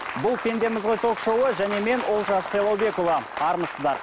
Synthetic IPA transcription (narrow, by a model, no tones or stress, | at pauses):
bʊlˠpʲʰe̞nd̪e̞mɪzʁojt̪ʰokʃowəʒæne̞me̞nwo̞lˠʒɑselˠowbe̞kolˠɑɑɾməsəzd̪ɑɾ